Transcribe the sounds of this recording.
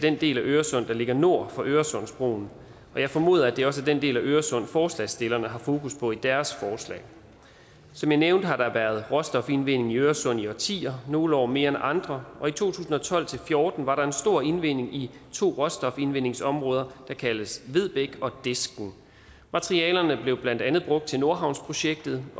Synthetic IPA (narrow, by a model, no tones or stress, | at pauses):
d̥end̥e̝̰ːlæʔøːɐsɔ̽n̰d̥ɑ̈le̝ɡ̥ɐno̝ɐ̰fɒ̽ʔøːɐsɔ̽n̰sb̥ʁo̝̰ːn | ʔɒ̽jɑ̈ɪfɒ̽mo̝̰ːð̞ˠæd̥e̝ɒ̽s̬əd̥end̥e̝̰ːlæʔøːɐsɔ̽n̰fɒːslɛ̰sd̥e̝lɐnəɦɑ̈fo̝ːkʰuspʰɒ̽id̥æɐsfɒːslɛ̰ːɪ | sɒ̽mjɑ̈ɪneʊnd̥hɑ̈ɾ̥ɑʋæːɐð̞̩ˠʁɒ̽sd̥ɒ̽fe̝nʋe̝n̰e̝ŋiøːɐsɔ̽n̰iɒt͡sʰḭːɐno̝ːləɒ̰ːme̝ːɐenʔɑ̈nd̥ʁɐʔɒ̽it͡sʰo̝̰ːt͡sʰṵːsn̩ɒ̽t͡sʰɒ̽l̰t͡sʰe̝lfjo̝ːd̥n̩ʋɑ̈ɾɑ̈e̝nsd̥o̝ɐ̰e̝nʋe̝n̰e̝ŋi | t͡sʰo̝̰ːʁɒ̥̽sd̥ɒ̽fe̝nʋen̰e̝ŋsɒ̽mʁɔ̽ːð̞ˠɐd̥ɑ̈kʰæləsʋe̝ð̞̰ˠb̥eɡ̥ɒ̽d̥e̝sɡ̥n̩ | mɑ̈t͡sʰʁiɛ̰ːlɐnəb̥le̝ʊb̥lænd̥ænð̞̩ˠb̥ʁɔ̽ɡ̥d̥̚t͡sʰe̝no̝ɐɦɑ̈ʊ̰nspʰʁo̝ɕeɡ̥̚d̥ð̞̩ˠ